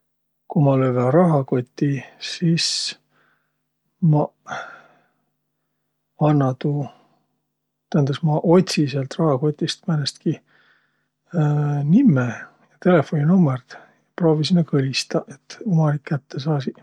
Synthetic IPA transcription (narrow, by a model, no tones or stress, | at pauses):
kumɑløverɑɦɑko̞t̪ʲːisiːs | mɑ | ɑnːɑt̪u | t̪æhænd̪̥esmɑʔo̞t̪ʲsiseɑlt̪rɑhɑko̞t̪ʲːˑist̪mænest̪ki | nimːe | jɑt̪e̞lefo̞nʲinumːert̪ | jjɑpro̞ːvisimekɤlʲist̪ɑʔet̪ːumɑnikːæt̪ːe̞s̬ɑːsi